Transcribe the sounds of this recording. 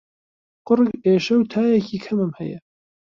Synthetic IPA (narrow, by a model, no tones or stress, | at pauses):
qʊɾɡeːʃɐwt̪ʰaːjɛcʰiːkʰɐmɨmhɐ̰jɐ